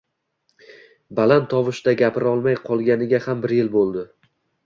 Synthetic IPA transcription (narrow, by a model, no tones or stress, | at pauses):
balant̪ʰɒvɪʃd̪aɡʲapʰɪɾɒlˠmajqʰɒlˠɡʲanɪɡʲahambɪɾjɪlbolˠd̪ɪ